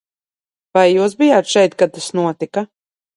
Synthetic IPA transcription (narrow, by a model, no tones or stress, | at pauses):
vajːuːs̬bijaːt̪ʃɛjt̪̚kad̪̚t̪ːasnuɔt̪ika